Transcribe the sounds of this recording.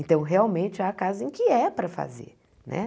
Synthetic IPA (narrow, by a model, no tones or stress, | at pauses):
ẽnt̪ɐ̃w̃ɦeawmẽnt͡ʃɪakazɐẽkɪɛpɾɐfa̰zḛɾ | nʔɛ̰